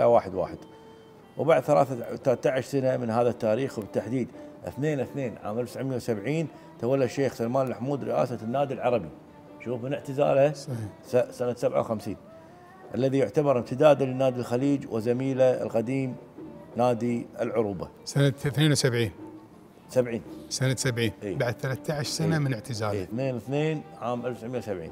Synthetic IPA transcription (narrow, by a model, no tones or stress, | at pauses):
lawaːħɪd̪wa̰ːħɪd̪̥ | wbaʕd̪θalaːθaθalaːt̪ːaʕɪʃsanamɪnɦaːðat̪ːaːɾiːxwbɪt̪ːaħd̪iːd̪ʔɪ̰θneːnɪθneːnʕa̰ːmʔalw̪sʕmɪjːawsabʕiːn | t̪awalːaʃːeːxsalmaːnlmaħmuːd̪ɾɪʔa̰ːsanːaːd̪ilʕɑɾˤɑbi | ʃuːfmɪnɪʕt̪ɪza̰ːlhasɑsasanat̪sabʕa̰wxamsiːn | ʔalːaðijʊʕt̪abɑɾˤɪbt̪ɪd̪aːd̪lnːaːd̪ilxaliːd͡ʒwʔɪzamiːlaɪ̰lqad̪iːmnaːd̪iɪ̰lʕʊɾuba̰ | sanaθneːnwsabʕiːn | sabʕiːnsanasabʕiːnʔiːbaʕad̪̚θalat̪ːaʕaʃsanamɪnɪʕt̪ɪzaːiθneːnwθneːnʕaːmʔalfsaʕmɪjawsabʕḭːn